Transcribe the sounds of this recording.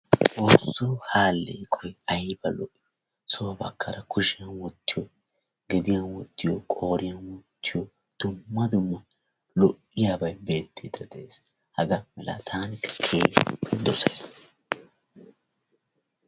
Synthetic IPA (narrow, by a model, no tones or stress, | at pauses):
oːsːuhaːlːḛkʼʰɔjɐjbɐlɔʔɪj | soːbɐ̰kʰːɐɾɐkʰʊʃɪjɐnwɔt̪ːɪjo | ɡɛd̪ɪjɐnwɔt̪ːɪjokʼo̞ːɾɪjɐnwɔt̪ʰːɪjo | d̪̥ʊmːɐd̪ʊmːɐ | lɔʔːɪjaːbɐjbe̞ːt̪ːɪd̪ɐd̪ɛeːs | hɐɡɐmɛla̰t̪ʰaːnɪkːɐ̥kʰeːpːɛd̪ɔsɐjs